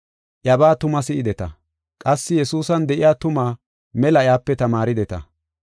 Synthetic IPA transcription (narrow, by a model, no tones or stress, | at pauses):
ʔjɐbaːt̪ʊmɐsɪʔɪd̪ɛt̪ɐ̰ | kʼɐsːɪjɛsuːsɐnd̪ɛʔɪjaːt̪ʊmaː | mɛlɐjaːpːɛt̪ɐmaːɾɪd̪ɛt̪ɐ̰